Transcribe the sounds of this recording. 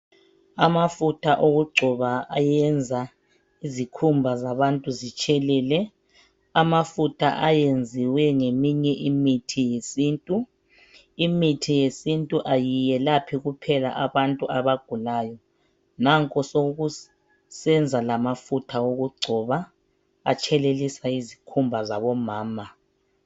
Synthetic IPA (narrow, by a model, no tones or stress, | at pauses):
amafutʰaʔoɣuɡ͡ǀʱɔβaajɛnd͡zʱa | izikʰumbʱazaβantʼuzit͡ʃʼɛlɛːlɛ | amafutʰa̰ʔajend͡zʱiwɛŋemiɲɛʔimitʰijesiːntʼu | imitʰijesintʼuʔajijɛlapʰiɣupʰɛla̰ʔaβantʼuaβaɡ̥ʱulaːjɔ | naŋkʼɔsoɣu | sɛnd͡zʱalamafutʰaoɣuɡ͡ǀʱɔβa | a̰t͡ʃʰʼɛlelisaizikʰumbʱazaβɔmaːma